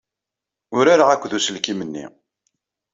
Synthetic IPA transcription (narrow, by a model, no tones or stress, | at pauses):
ʊɾaɾaʁækʷːðusəlkimənːḭ